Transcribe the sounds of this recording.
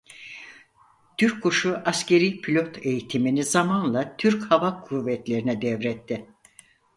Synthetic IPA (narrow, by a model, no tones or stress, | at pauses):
t̪ʰyɾkʰːuʃuʔascʰe̞ɾijpʰilʲo̞t̪ʰe̞jit̪ʰiminizamanlˠat̪ʰyɾchavakʰuvːɛt̪lʲe̞ɾinɛd̪ɛvɾɛt̪ʰːɪ